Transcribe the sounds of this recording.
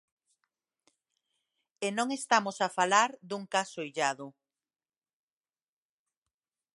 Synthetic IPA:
enõŋest̪amosafalaɾd̪uŋkasojʎaðʊ

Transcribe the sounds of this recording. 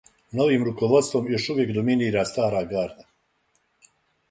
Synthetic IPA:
no̞ʋiːmɾuko̞ʋo̞t̪st̪ʋo̞mjo̞ʃuʋjekd̪ominiːɾaːst̪aːɾaːɡaːɾd̪a

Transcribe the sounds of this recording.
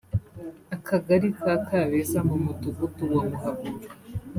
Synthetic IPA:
akʰaɡaɾitakaβesamumutuɡutuwomuɦaku

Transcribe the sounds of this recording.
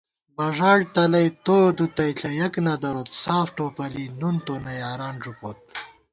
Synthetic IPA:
bɐʐaːɽt̪ɐlɐjt̪oːd̪ut̪ɐiɬʰɐjɐknɐd̪ɐɾot̪saːfʈoːpɐlinunt̪onɐjaːɾaːnʐupoːt̪̚

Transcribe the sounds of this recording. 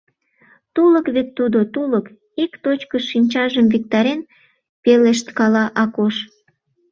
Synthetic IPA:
t̪uləkβet̪ːud̪ot̪ulək | ikt̪ot͡ɕkəinʲt͡ɕɑʒəmvik̚t̪ɑɾen | peleʃt̪kɑlɑʔɑkoʃ

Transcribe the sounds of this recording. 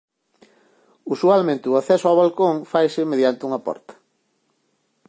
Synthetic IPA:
usualmẽnt̪ɪuaθɛsʊawβalkoŋfajsɪmeðjant̪ɪuŋɐpɔ̰ɾt̪ɐ̥

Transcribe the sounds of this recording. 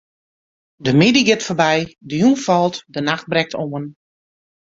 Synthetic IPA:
dəmɪdiɡɪtfəbɛjdəjunfɔlˠtdənaxt̚brɛk̚tʰoən

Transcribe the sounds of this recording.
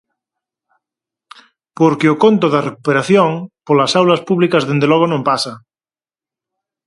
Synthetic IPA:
poɾkeokont̪oðarekupeɾaθjoŋpolasawlaspuβlikazðend̪elɔɣ̞onõmpasa

